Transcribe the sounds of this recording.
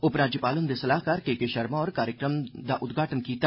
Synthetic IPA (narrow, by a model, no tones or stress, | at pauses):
ʊpɾaːd͡ʒɪpaːlʊnd̪esɐlaːɦkaːɾkekeʃɐɾmaɔːɾkaːɾjəkɾəmd̪aʔʊd̪ɡʱaːʈənkiːt̪a